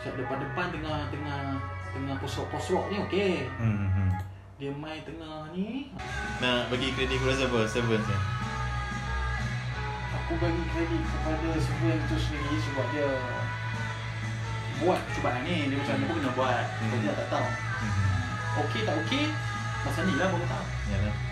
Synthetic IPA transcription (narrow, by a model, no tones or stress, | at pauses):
kaʔ̚dəpandəpant̪əŋaht̪əŋaht̪əŋahpɔsɔʔpɔsɾɔʔ̚nĩoke | diəmãjt̪əŋahni | nabaɡikɾedit̚kɾɛzəvəsəvənsə | akubaɡikɾedit̪̚kəpadasəvənt̪usənilisəbap̚diə | buat̪̚kə̥t͡ʃubaʔanidiəmat͡ʃamakukənabuat̪̚adinaʔt̪aʔt̪aw | oket̪aʔoke | masanilakakut̪aw | jala